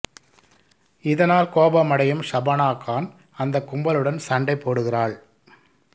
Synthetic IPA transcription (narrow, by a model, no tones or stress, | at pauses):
ɪðɐnaːlkoːbɐmɐɽɐjɯmsɐbɐnaːkːaːn | ɐnd̪ɐkːʊmbɐlɯɽɐnsɐɳɖɐɪpːoːɽɯɣɪraːɭ